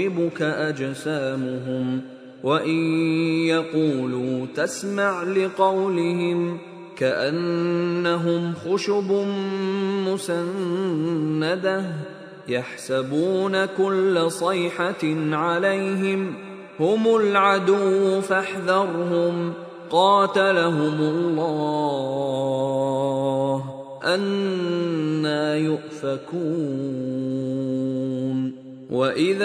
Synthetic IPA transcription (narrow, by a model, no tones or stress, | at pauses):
ɪbʊkaʔad͡ʒsaːmʊɦʊm | waʔɪjjaquːluːt̪asmaʕlɪqɑwlɪhɪm | kaʔanːaɦʊmxʊʃʊb | mʊsanː | ad̪a | jaħsabuːnakʊlːasˤɑjħaʕalajɦɪm | hʊmʊlʕad̪uwfaħðɑɾˤɦʊm | qɑːt̪alaɦʊmʊlˤːɑː | ɦ | ʔanː | aːjʊʔfakuː | n | wʔaʔɪð